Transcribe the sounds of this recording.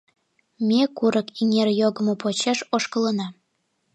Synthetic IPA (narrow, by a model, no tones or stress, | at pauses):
mʲekuɾʔəkiŋerjoɣə̆mopot͡ɕeʃoʃkələnɑ